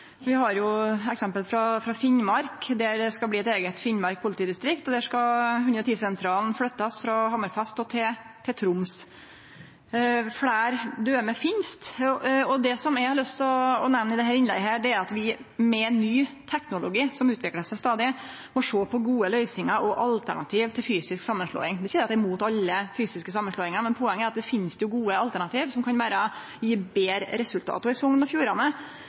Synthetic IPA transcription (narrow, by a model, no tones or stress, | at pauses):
ʋɪhɑɾjʊɛksɛmpəlfɾɑfɾɑfɪnmɑɾkd̪æɾskɑbliːɛt̪eːɡət̪fɪnmɑɾk̚pʰʊlɪt̪ʰiːd̪ɪst̪ɾɪkt̪ɔd̪ɛæʂkɑhʉnd̪ɾət̪iːsɛnt̪ʰɾɑːlnfɽœt̪ːɑsfɾɑhɑməɾfɛst̪ɔt̪ʰɪ | t̪ʰɪt̪ʰɾʊms | fɽæːɾd̪øːmɛfɪnst̪ɔd̪ɛsɔmɛhɑlœst̪ɔɔnɛʋnəɪd̪ɛɦæːɾɪnlɛ̰ɡɦæːɖɛæɾɑt̪ʋɪmɛnːyːt̪ʰɛknʊlʊɡiːsɔmʉːt̪ʰʋɪkləʂæɪst̪ɑːd̪ɪ | mɔʂoːpʰɔɡuːəlœʏsɪŋəɾʔɔʔɑlt̪ʰæ̰ɳɑ̰t̪ʰiːʋt̪ʰɪlfyːsɪsksɑmːənʂɭo̰ːɪŋd̪ɛsiːɾɑt̪d̪ɛmuːt̪ɑlːəfyːsɪskəsɑmːənʂlɔːɪŋɑɾmɛnpʰɔɛŋːəæɾɑt̪d̪ɛfɪnst̪jʊɡuːəɑlt̪æɳɑt̪ʰiːʋsɔmkʰɑnʋæːɾə | jiːbeːɾəɾɛsʉlt̪ʰɑ̰ːt̪ʊɪsɔŋːnɔfjuːɾɑnə